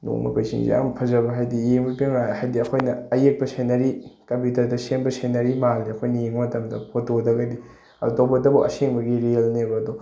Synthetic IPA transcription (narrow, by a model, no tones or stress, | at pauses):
no̰ŋmɐ̰pɐjsʰḭŋzḭa̰mpʰɐzɐbɐɦajdijeŋbɐpiŋajhajdiɐkʰojnɐɐjek̚pɐsenɐɾikɐmputɐɾdɐseŋbɐsenɐɾimalniɐkʰojnɐjeŋɐmɐtɐmdɐpʰotodɐɡɐdi | ɐ̰dobɐdɐbuʔɐ̰seŋbɐɡiɾelnebɐːdo